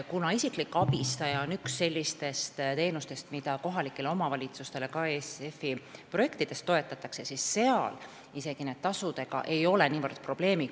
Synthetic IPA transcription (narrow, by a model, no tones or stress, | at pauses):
kunɑisiklikːɑb̥ist̪ɑjɑonyksːe̞lʲːist̪e̞st̪t̪e̞ːnust̪e̞st̪mid̪̥ɑko̞ɦɑlikːˑe̞leo̞mɑvɑlʲit̪sust̪e̞le̞kɑeːsefiproje̞kt̪id̪̥e̞st̪ːo̞e̞t̪ːˑɑt̪ːˑɑksesisːe̞ɑ̰l | ise̞ɡ̥ine̞d̥̪̚t̪ɑsud̪̥e̞ɡ̥ɑ̰ʔe̞jo̞le̞niːvərd̪̥pro̞b̥le̞ːmi